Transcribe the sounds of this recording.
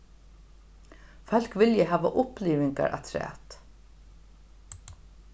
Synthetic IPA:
fɛl̥kʋɪljəɦæːʋaʔʊpliːvɪŋka̰ɹʔa̰t̪ʰɾɛ̰ːt̪

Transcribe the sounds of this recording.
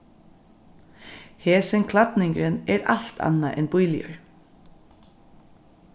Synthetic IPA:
hɛːsɪnkʰlat̪nɪŋkɾɪnɛɾal̥t̪ʰa̰nːaʔɛnbʊjlɪjə̰ɹ

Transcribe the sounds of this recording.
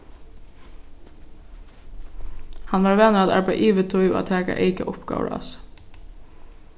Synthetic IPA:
hɑnʋɑːɹʋeːnəɾɑd̪ɑɹbæɪʔiːʋət̪ʰʊʏo̰ːt̪ʰæːkɑ̰ʔeɪkəʔʊpɡ̥ɑ̰ːʊ̰ɹɑ̰s

